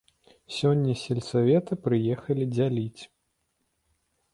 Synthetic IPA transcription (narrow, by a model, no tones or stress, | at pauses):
sʲɔnʲːɐsʲɛlʲsavʲɛt̪ɨpɾɨjɛxɐlʲid͡zʲalʲit͡sʲ